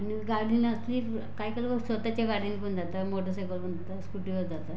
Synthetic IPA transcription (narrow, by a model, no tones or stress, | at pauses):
aniɡaɽinəsliː | kajkəɭləʋəsʋət̪at͡ɕjaɡaɽinikund͡zat̪amoʈəsekəlkund͡zat̪askuʈiod͡zat̪a